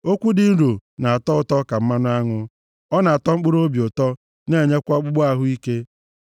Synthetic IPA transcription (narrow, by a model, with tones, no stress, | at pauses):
o˦kʷu˦dɪ˨n̩˦ɾo˨na˨a˨tɔ˦ʊ˨tɔ˦ka˨m̩˦ma˦nʊ˦a˦ŋʊ˦ | ɔ˦na˨a˨tɔ˦ŋ͡m̩˦k͡pʊ˦ɾo˦bjʊ˨tɔ˦ | ne˦˨ɲe˦kʷa˦k͡pʊ˦ɡ͡bʊ˦a˦ɦʊ˦i˦ke˦